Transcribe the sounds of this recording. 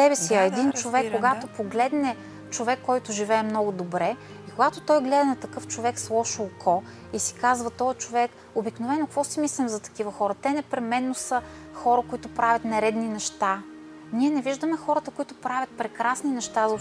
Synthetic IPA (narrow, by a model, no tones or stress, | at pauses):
sɛbɛsiɐɛd̪int͡ʃovɛkːoɡat̪opoɡlɛd̪nɛ | t͡ʃovɛkːɔjt̪ʊʒivɛːmnɔɡʊd̪obɾɛ | ikoɡat̪ot̪ɔjɡlɛd̪ɐnɐt̪ɐkɤft͡ʃovɛkslˠɔʃoːkʰɔ | isi̥kazvɐt̪ɔjt͡ʃovɛk | obiknovɛnokvɔsimislimzɐt̪ɐ̥k̟ivəxɔɾət̪ɛnɛpɾɛmɛnːosəxɔɾəkoit̪ʊpɾavʲɐt̪nɛɾɛd̪ninɛʃt̪a | niɛnɛviʒd̪əmɛxɔɾət̪əkoit̪ʊpɾavʲɐt̪̚pɾɛkɾasninɛʃt̪az